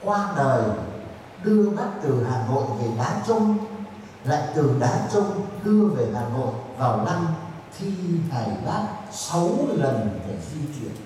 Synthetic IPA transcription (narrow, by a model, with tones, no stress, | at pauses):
kwaː˧ɗəː˨˩j | ɗɨ˧əɓa˦˥t̚t̪ɨ˨˩haː˨˩no̰˧˨jve˨˩ɗaː˨˦t͡ɕʊ˧ŋ͡m | la̰ː˧˨jt̪ɨ˨˩ɗaː˨˦t͡ɕʊ˧ŋ͡mɗɨ˧əve˨˩ɦaː˨˩no̰˧˨jvaː˨˩wla˧mt̪ʰi˧t̪ʰaː˨˧˩jɓaː˦˥t̚sə˨˦wlə˨˩nɗe˧˩zi˧t͡ɕwi˧˩ən